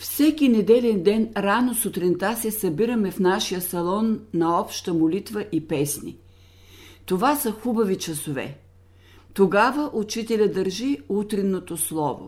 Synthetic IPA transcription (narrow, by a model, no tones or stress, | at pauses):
fsɛkinɛd̪ɛlɛnd̪ɛnɾanosot̪ɾɛnt̪asɛsɐbiɾəmɛfnaʃijəsɐlˠɔnːɐɔpʃt̪əmolit̪vəʔipɛsnḭ | t̪ovasəxubɐvit͡ʃɐsovɛ̰ | t̪oɡavəʔut͡ʃit̪ɛlʲəd̪əɾʒiut̪ɾinːot̪oslˠɔvo̰